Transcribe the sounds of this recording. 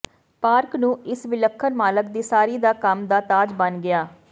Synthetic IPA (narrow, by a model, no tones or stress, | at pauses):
paːɾknũːʔɪsʋɪləkʰːənmaːlək̚d̪iːsaːɾiːd̪aːkəmd̪aːt̪aːd͡ʒbənɡɪaː